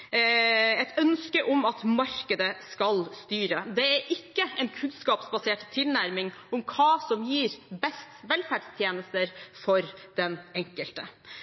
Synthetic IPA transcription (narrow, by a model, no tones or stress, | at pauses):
ɛt̪ʰœnskəʔɔmɑt̪mɑɾkəd̪əskɑlst̪yːɾəd̪ɛæɾʔɪkːəɛɪnkʰʉnskɑːpsbɑseːʈt̪ʰːɪlnæɾmɪŋɔmkʰɑːsɔmjiːɾbɛst̪ʋɛlfæɖst̪ʰjeːnəst̪əɾfɔɾd̪̥ɛnɛŋkəlt̪ə